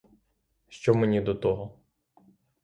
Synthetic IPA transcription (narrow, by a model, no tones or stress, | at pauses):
ʃt͡ʃɔmenʲid̪ɔt̪ɔɦɔ